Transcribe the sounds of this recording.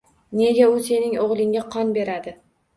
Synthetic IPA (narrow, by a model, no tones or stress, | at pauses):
ne̞ɡʲaʊse̞nɪŋoʁlˠɪŋʲaqʰɒnbe̞ɾad̪ɪ